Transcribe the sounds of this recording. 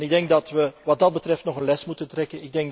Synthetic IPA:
nɪɡ̚dɛŋk̚dɑtʋəʋɑt̚dɑd̚bətrɛftnɔχənlɛsmutəntrɛkənɪɡ̚dɛŋk

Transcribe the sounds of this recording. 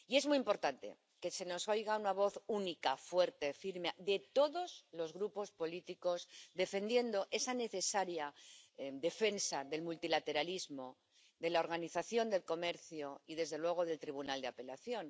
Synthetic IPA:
ie̞zmuimpo̞ɾt̪ant̪e̞̰ | ke̞seno̞sojɣ̞aunaβ̞o̞θunikafwe̞ɾt̪e̞fiɾmade̞t̪o̞ðo̞zlo̞zɣɾupo̞spo̞lit̪iko̞zd̪e̞fe̞nd̪je̞nd̪o̞ʔe̞sane̞θe̞saɾja | d̪e̞fe̞nsaðe̞lmult̪ilat̪e̞ɾalizmo̞ | ðe̞laoɾɣ̞aniθaθjo̞nd̪e̞lko̞me̞ɾθjoiðe̞zðe̞lwe̞ɣ̞o̞ðe̞lt̪ɾiβ̞unald̪eape̞laθjo̞n

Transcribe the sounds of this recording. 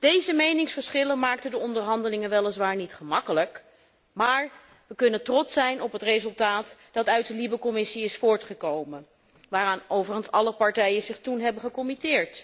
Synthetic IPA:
d̥ejzəmejnɪŋsfəɹsχɪlənmaːktədəɔndəɹɦɑndəlɪŋənʋɛlˠəsʋaːɹnitχəmɑkələk | maːɹ | ʋəkɵnəntrɔtsɛjnɔpɦətrezɵlˠtaːtd̥ɑtœɥt̚dəlibəkɔmɪsiɪsfʊːɹtχəkowmən | ʋaːraːnowvərχənsɑləpɑɹtɛjənzɪχtunɦɛbəχəkɔmitɪːɹt

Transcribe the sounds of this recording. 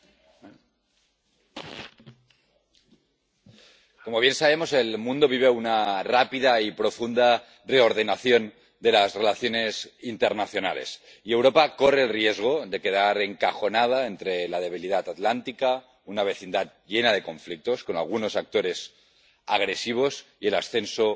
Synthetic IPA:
ko̞mo̞βje̞nsaβ̞e̞mo̞se̞lmũnd̪o̞βiβ̞eunarapiðaipɾo̞fund̪a | re̞o̞ɾð̞enaθjo̞n | d̪e̞lasre̞laθjo̞ne̞sint̪eɾnaθjo̞na̰le̞̰s | iewɾo̞pako̞re̞ːlrie̞zɣ̞o̞ðe̞ke̞ð̞aɾeŋkaxo̞nað̞aent̪ɾe̞lað̞e̞β̞iliðat̪at̪lant̪ika | unaβ̞e̞θind̪at̪̚ʎe̞nað̞e̞ko̞ɱflik̚t̪o̞sko̞na̰lɣ̞uno̞sak̚t̪o̞ɾe̞s | a̰ɣ̞ɾe̞siβ̞o̞sie̞lasθe̞nso

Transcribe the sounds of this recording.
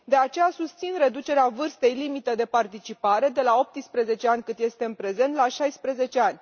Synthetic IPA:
d̪e̞at͡ʃe̞jasust̪sinre̞d̪ut͡ʃe̞ɾeavɨrst̪e̞jlimit̪əd̪e̞part̪it͡ʃipaɾe̞d̪e̞lao̞p̚t̪ispɾeze̞t͡ʃe̞anʲkɨnt̪je̞st̪e̞ɨnpɾe̞ze̞nt̪laʃajspɾeze̞t͡ʃe̞anʲ

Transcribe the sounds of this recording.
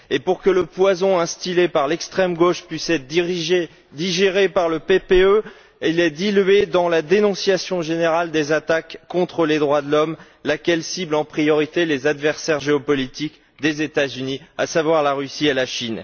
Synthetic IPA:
epuʁkələpwazɔ̃ɛ̃st̪ilepaʁlɛkst̪χɛmɡoʃpɥisɛt̪ʒ | d̪iʒeʁepaʁləpepeø | ilɛd̪ilɥed̪ɑ̃lad̪enɔ̃sjasjɔ̃ʒeneʁald̪ezat̪akːɔ̃t̪χəled̪ʁwad̪əlɔm | lakʲɛlsiblɑ̃pχijɔʁit̪elezad̪vɛʁsɛʁʒeɔpɔlit̪ik | d̪ezet̪azynia̰savwaʁlaʁysielaʃin

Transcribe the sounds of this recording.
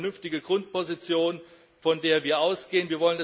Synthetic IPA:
nʏnftɪɡəɡ̥ʁʊnt̚pʰozit͡sjoːn | fɔndeːɐviːɐʔaʊsɡ̥eːənviːɐvɔlənda

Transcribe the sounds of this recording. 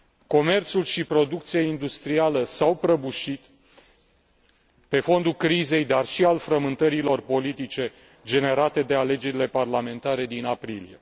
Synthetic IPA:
ko̞me̞rt̪sulʃipɾo̞d̪uk̚t̪sijeind̪ust̪ɾialəsawpɾəbuʃit̪ | pe̞fo̞nd̪ulkɾize̞jd̪arʃialfɾəmɨnt̪əɾilo̞rpo̞lit̪it͡ʃe̞ | d͡ʒe̞ne̞ɾat̪e̞d̪e̞ale̞d͡ʒe̞ɾile̞parlame̞nt̪aɾe̞d̪inapɾilḭje̞

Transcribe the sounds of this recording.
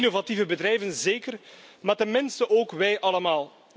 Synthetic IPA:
novativəbədɾɛjvənzeːkərmaːtəmɪnstəʔoːkʋɛjʔɑləmaːlˠ

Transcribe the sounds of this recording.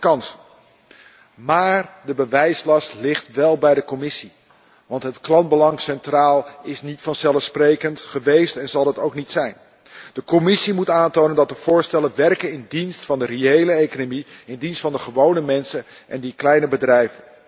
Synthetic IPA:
kɑns | maːɹdəbəʋɛjslɑstlɪχtʋɛlˠbɛjdəkɔmɪsi | ʋɑntɦətklɑnbəlɑŋsɛntraːlˠɪsnitfɑnzɛlˠəfsprejkəntχəʋejstɛnzɑlˠɦətowknitsɛjn | d̥əkɔmɪsimutaːntownəndɑt̚dəv̥ʊːɹstɛlənʋɛrkənɪndinstfɑndəreejləejkonomiɪndinstfɑndəχəʋownəmɛnsənʔɛ̰ndiklɛjnəbədrɛjvən

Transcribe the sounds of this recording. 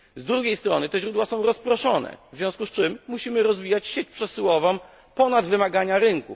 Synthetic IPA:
zd̪ɾuɡʲejst̪ɾɔnɘt̪ɛʑɾud̪wasɔ̃w̃ɾɔspɾɔʂɔnɛ̰vzʲjɔ̃w̃skust͡ʂɘmːuɕimɘɾɔzvʲijat͡ɕɕet͡ɕpʂɛsɘwɔvɔ̃m | pɔnad̪vɘmaɡaɲaɾɘŋkṵ

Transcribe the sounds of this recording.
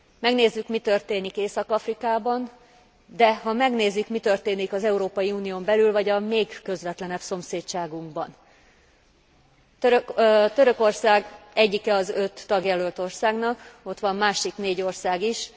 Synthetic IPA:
mɛɡneːzːykmit̪ø̞rt̪eːnikeːsɒkɒfrikaːbɒn | d̪ɛɦɒmɛɡneːzːykmit̪ø̞rt̪eːnikɒzɛuɾoːpɒjiuːnijoːmbɛlylvɒɟɒmeːkːø̞zʋɛt̪lɛnɛbso̞mseːtt͡ʃaːɡuŋɡbɒ̰n | ɾt̪ø̞ɾø̞ko̞rsaːɡɛɟːikɛɒzø̞t̪ːɒɡjɛlølt̪o̞rsaːɡnɒko̞t̪ʋɒmːaːʃikneːɟo̞rsaːɡiʃ

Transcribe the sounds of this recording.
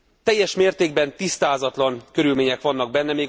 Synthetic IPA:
t̪ɛjːɛʃmeːrt̪eːɡbɛnt̪ist̪aːzɒt̪lɒnkø̞ɾylmeːɲɛkʋɒnːɒɡ̚bɛnːɛmeː

